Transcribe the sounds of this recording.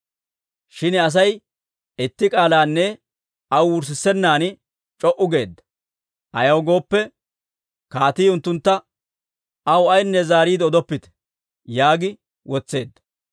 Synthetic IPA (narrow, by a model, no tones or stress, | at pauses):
ʃɪnɐs̬ɐj | ɪt̪ːɪkʼaːlaːnːɛ | ɐwwʊɾs̬ɪsːɛnːaːnɪ | t͡ʃʼɔʔʊɡe̞ːd̪ːɐ̥ | ʔɐjɐwɡo̞ːpːɛ | kaːt̪iːʊnt̪ːʊnt̪ːɐ | ɐwɐjnːɛzaːɾiːd̪ɔd̪ɔpːɪt̪ɛ̥ | jaːɡɪ | wʔɔt͡sːe̞ːd̪ːɐ